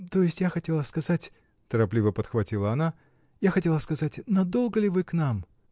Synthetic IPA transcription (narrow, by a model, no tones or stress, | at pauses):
t̪o̞jɪsʲtʲjaxɐtʲe̞lˠəskɐzatʲ | t̪əɾɐplʲivəpət̪xvɐtʲilˠəɐna | jaxɐtʲe̞lˠəskɐzatʲnɐd̪o̞lˠɡəlʲɪvɨknam